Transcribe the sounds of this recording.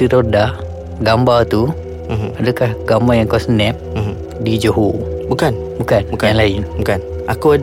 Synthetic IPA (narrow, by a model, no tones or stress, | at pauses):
t̪iɾoda | ɡambat̪u | adakahɡambajaŋkasənɛp̚m̩m | did͡ʒoɦobukan | bukankaŋlaɪnbukan | akua